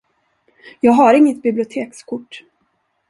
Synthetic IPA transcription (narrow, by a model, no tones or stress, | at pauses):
jɑːɡɦaɾɪŋːət̪̚bɪblɪʊt̪ʰeːkskʰʊʈː